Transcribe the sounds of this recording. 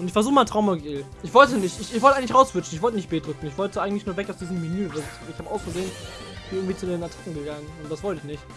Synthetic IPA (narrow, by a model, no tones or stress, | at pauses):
ʔʊntɪçfɛɐzuːxəmaɪntʁ̥aʊmoɡiːlʔɪçv̥ɔltənɪçtɪçɪçvɔltəaɪŋ̩lɪçʁaʊsv̥ʏt͡ʃn̩ɪçvɔltənɪçt̚b̥eːdʁʏkŋ̩ɪçv̥ɔltəʔaɪɡŋ̩tlɪçnuːɐvɛkaʊsd̥iːzəmːinyːval | ɪçhaːbəʔaʊsfɐzeːən | ɪb̥ɪn̩ɪɡŋ̩v̥iːt͡sudeːnatʰḁkŋ̩ɡəɡaŋənʊntd̥asv̥ɔltəɪçnɪçt